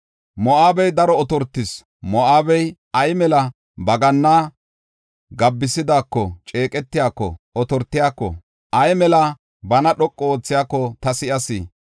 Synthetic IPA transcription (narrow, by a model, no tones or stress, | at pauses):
mɔʔaːbɛjd̪ɐɾɔɔt̪ɔɾt̪ːɪs | mɔʔaːbɛj | ɐjmɛlɐ | bɐɡɐnːaː | ɡɐbːɪsɪd̪aːkːɔt͡ʃʼeːkʼɛt̪ːɪjaːkːɔ̰ɔt̪ɔɾt̪ːɪjaːkːɔ̰ | ʔɐjmɛlɐ | bɐnɐɗɔkʼːɔoːt͡sːɪjaːkːɔt̪ɐsɪʔɐsɪ